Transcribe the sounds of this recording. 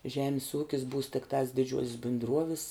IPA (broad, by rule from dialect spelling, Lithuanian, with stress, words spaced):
ˈʒʲæːmʲɪs ˈuːkʲɪs buːs tʲɪkˈtɐs dʲɪˈd͡ʒʲuɔsʲɪs bʲɪndˈruɔʋʲɪs